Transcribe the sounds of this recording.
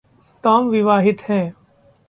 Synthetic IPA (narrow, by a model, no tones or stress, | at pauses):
ʈaːmʋɪʋaːɦɪt̪hɛ̃ː